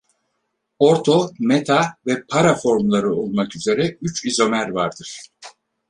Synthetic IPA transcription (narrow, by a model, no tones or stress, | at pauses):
oɾt̪ʰo̞met̪ʰavɛpʰaɾafo̞ɾmlˠaɾɯo̞lˠmakyze̞ɾɛyt͡ʃizo̞mæɾvaɾd̪ɯɾ̥